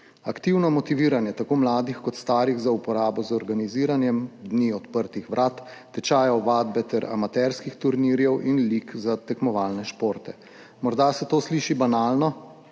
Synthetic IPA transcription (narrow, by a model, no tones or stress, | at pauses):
akt̪iwnɔmɔt̪iʋiːɾanjɛt̪akoːmlaːd̪ixkɔt̪st̪aːɾiɣzaupɔɾaːbɔzɔɾɡaniziːɾanjɛmd̪niːɔt̪pəɾt̪ixʋɾʔaːt̪ː | ɛt͡ʃaːjɔʋaːd̪bɛt̪ɛɾa̰mat̪ɛɾskixt̪uɾniːɾjɛwʔinliːkzat̪ɛkmɔʋaːlnɛʃpoːɾt̪ɛ | mɔɾd̪asɛt̪oːsliːʃibanaːlnɔ